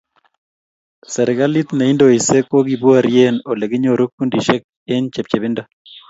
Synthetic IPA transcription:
sɛ˨ɾɪ˨ɡa˦li˦t̪na˨i˦ndo˨i˨se˦ko˦ɡi˨bu˦a˨ɾje˦no˨le˨ɡɪ˦ɲo˦ɾo˦kːu˦ndi˨ʃɛ˦k̚ | e˦nt͡ʃe˨p̚t͡ʃe˨bɪ˦nda˦

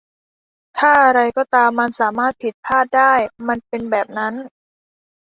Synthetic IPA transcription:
t̪ʰaː˥˩ʔa˧ɾa˧jkɔː˥˩t̪aː˧mːa˧nsaː˩˦maː˥˩t̪̚pʰi˨˩t̪̚pʰaː˥˩t̪̚daː˥˩jma˧npe˧nbɛː˨˩p̚na˦˥n

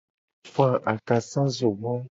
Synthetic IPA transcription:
fã˨ʔa˨ka˨sã˦zo˨ɡ͡bɔ̃˦

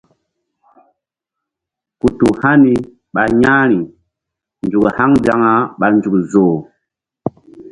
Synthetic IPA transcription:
ku˨tu˨ha˦ni˨ | ɓa˨ɲa˦ɾi˨ | nd͡ʒu˨kha˦ŋd͡ʒa˦ŋa˨˦ɓa˨nd͡ʒu˨kzoː˨

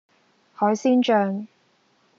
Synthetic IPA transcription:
hɔː˨˥jsiː˥nt͡ʃœː˧ŋ

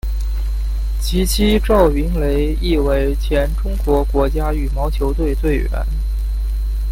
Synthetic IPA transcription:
t͡ɕʰi˧˥t͡ɕʰi˥ʈ͡ʂɑ˥˩ʊi˧˥ŋle˧˥ɪ | i˥˩we˧˥˩ɪt͡ɕʰjɛ˧˥nʈ͡ʂʊ˥ŋkwɔ˧˥kwɔ˧˥t͡ɕja˥y˨˩mɑ˧˥ʊt͡ɕʰjo˧˥ʊt̪we˥˧ɪt̪we˥˩ɪɥɛ̰˧˥n

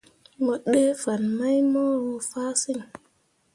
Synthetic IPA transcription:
mə˨ɓe˦fa˨nma˦jmɔ˦ɾu˧faː˦si˦˨ŋ

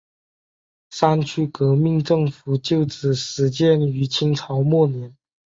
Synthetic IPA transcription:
sa˥nt͡ɕʰy˥kɤ˧˥mi˥˧ŋʈ͡ʂɤ˥˩ŋfu˨˩t͡ɕjo˥˩ʊʈ͡ʂɻ̩˨˩ʂɻ̩˧˥t͡ɕjɛ˥˧ny˧˥t͡ɕʰi˥ŋʈ͡ʂʰɑ˧˥ʊmwɔ˥˩njɛ˧˥n

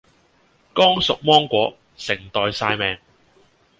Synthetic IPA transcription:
kɔː˥ŋsʊ˨k̚mɔː˥ŋkʷɔː˨˥ | sɪ˨˩ŋt̪ɔː˨˧jsaː˧jmɛː˨ŋ

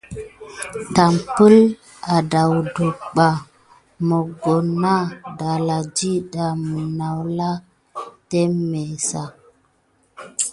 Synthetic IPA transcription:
ta˨mpə˦l | a˨da˨wdu˨kɓa˨ | mo˨ɡo˨nːa˦da˨la˨d͡ʒi˦ɗa˨mə˨na˨wla˦ | te˦me˨sa˨

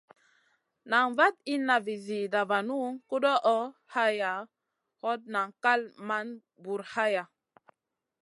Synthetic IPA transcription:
na˨ŋva˦ti˦na˨vi˨zi˨da˨va˨nu˦ŋku˦ɗɔ˦ʔɔ˦ha˦ja˨ | hɔ˦t̚na˨ŋka˦lma˦n | bu˨ɾha˦ja˨

